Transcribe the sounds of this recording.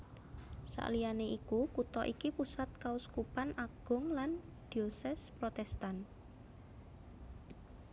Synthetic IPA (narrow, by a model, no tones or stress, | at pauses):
sa̰ʔlijaneʔikukut̪ɔʔikipusat̪̚kauskupanʔaɡ̥ʊ̤ŋlan | d̪̥iosɛspɾot̪ɛst̪an